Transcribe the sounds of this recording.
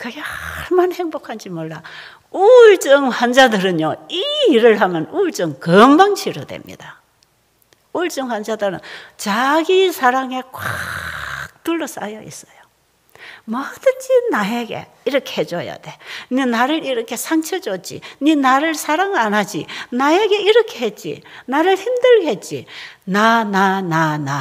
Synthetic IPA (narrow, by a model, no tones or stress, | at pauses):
kɯɡehaɭmʌnheŋbokʰand͡ʑimwʌɭːa | uɭt͡ɕ͈ɯŋɸwand͡ʑadɯɾɯnjoiːɾɯɭɦamjʌnuɭt͡ɕ͈ɯŋkʌmbaŋɕʰiɾodwḛmɲḭd̥a | uɭt͡ɕ͈ɯŋɸwand͡ʑadɯɾɯnt͡ɕaɡisʰaɾaŋe̞kwa | k̚tuɭːʌs͈a̰jʌʔḭs͈ʌ̥jo | mʌd̥ɯnd͡ʑinajeɡe̞̰ | iɾʌkʰehed͡ʑoja̰de̞ninaɾɯɾiɾʌkʰe̞sʰaŋt͡ɕʰʌd͡ʑot͡ɕḭɲinaɾɯɭsʰaɾaŋanad͡ʑinajeɡe̞iɾʌkʰehet̚t͡ɕ͈ḭnaɾɯɭçimdɯɭɡe̞t̚t͡ɕ͈ḭnananana